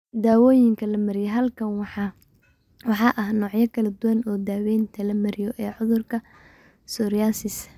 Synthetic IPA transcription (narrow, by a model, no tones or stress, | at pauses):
d̪aːwɔːjɪŋkʰɐlɐmɐɾɪjɛɦɐlkʰɐnwħ | wɑħɑʔɐhnɔːʕjɐkʰɐlɐd̪ʊwɐnɔːd̪aːwɛnt̪ʰɐlɐmɐɾɪjɔʔɛːʕʊðʊrkʰɐ | sɔɾaːsɪs